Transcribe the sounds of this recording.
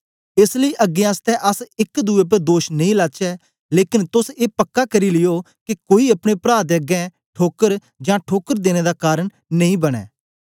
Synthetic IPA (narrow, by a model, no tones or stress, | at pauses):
ɪsləiʔəɡːẽast̪ɛːʔɐsɪkd̪uːep̬əɾd̪oːʃnəĩːlaːt͡ʃɛː | leːkɪnt̪ʊseːpɐkːakəɾiːlɪjoː | kikoːiɐpɽ̃ẽːpɾaːd̪əɡɛ̃ː | ʈʰoːkəɾ | d͡ʒãːʈʰoːkəɾd̪eːñeːd̪aːkaːɾəɳ | nɐĩːbɐɽ̃ɛ̰ː